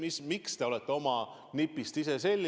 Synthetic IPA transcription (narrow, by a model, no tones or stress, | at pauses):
mismikst̪e̞o̞lɛt̪ːeo̞mɑ | nipːˑist̪ise̞se̞lʲːi